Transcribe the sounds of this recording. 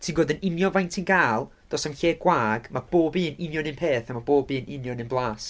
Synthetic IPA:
tʰiːnɡoːdənɪnjɔnvajntʰinɡaːlˠ | d̥ɔsamɬeːɡ̥waːɡmab̥oːbiːənɪnjɔnɪnpʰeːθamaboːbiːənʔɪnjɔnɪnblˠaːs

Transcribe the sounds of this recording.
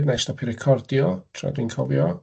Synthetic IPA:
dnajstɔpʰiɾɪkʰɔrdjɔtʰra̰dwinkʰɔvjɔ

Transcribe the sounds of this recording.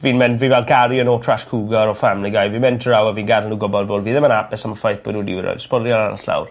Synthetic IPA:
viːnmɛndvivɛlˠɡaɾjənɔtʰraʃkʰuːɡaɾɔfamnəɡajvimɛntʰəɾawəviːnɡarnuɡɔbɔldvɔlˠviːðɪmənabɛsaməfajθb̥ɔnuːdɪ̰wɪɾɔ̰jspɔljɔna̰ɾa̰ɬa̰wr

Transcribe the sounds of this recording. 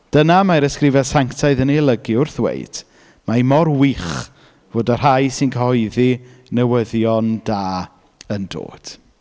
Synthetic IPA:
d̥ənamajɾəskrɪvɛsaŋktʰaɨðənelˠəɡiʊrθwḛjd̥ | maimɔrwiχ | voːdər̥ajsɪnkʰəhɔɨðinəwəðjɔnd̥aː | əndo̰ːd̥

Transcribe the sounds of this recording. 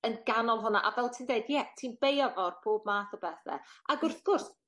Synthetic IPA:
ənɡanɔlˠɦʊnaʔavɛlˠtʰiːndeɨdjɛtʰiːnb̥ejɔvɔrpʰoːb̚maːθɔbɛθɛ̰aɡʊrθɡ̥ʊrs

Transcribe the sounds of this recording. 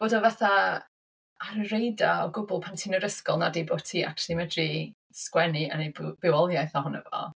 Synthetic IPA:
b̥oːdɔvaθa | aɾərejdaɔɡʊbʊlˠpʰantʰinəɾəskɔlˠnadebɔtʰiːa̰ktlˠimədri | skwɛniə̰nejbb̥ɪwɔlˠjajθɔɦɔnə̰vɔ̰

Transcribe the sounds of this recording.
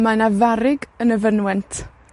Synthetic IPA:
majnavaɾɪɡənəvənwɛntʰ

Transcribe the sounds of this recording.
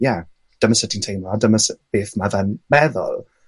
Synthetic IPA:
ja | d̥əməsətʰɪ̃ŋtʰejmɔadəməsəb̥eːθmaðanmɛðʊ̰lˠ

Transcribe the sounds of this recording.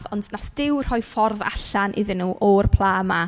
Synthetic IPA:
ðɔndnaθd̥ɪwr̥ɔjfɔrða̰ɬanʔɪ̰ðɪnːuːʔɔrpʰlˠaːma

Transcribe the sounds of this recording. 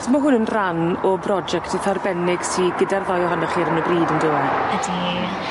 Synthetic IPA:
tʰmaɦʊnənranɔbrɔd͡ʒɛktʰəθarbɛnɪɡ̥siɡədarðɔjɔɦɔnɔχiːɾənəbriːdəndɪwɛədi

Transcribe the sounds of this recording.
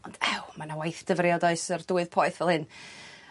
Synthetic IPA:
ɔnd̥ɛwmanawajθd̥əvrjɔdaɨsərd̥uːɨðpʰɔːɨθvɛlˠhɨn

